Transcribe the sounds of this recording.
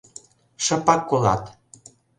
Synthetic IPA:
ʃə̆pɑkːolɑ̰t̪

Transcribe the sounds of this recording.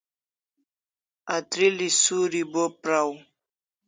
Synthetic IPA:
at̪ɾilisuɾibopɾaw

